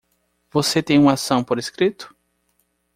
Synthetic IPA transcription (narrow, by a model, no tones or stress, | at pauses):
voset̪ẽj̃ũasɐ̃w̃poɾeskɾit̪ʊ̥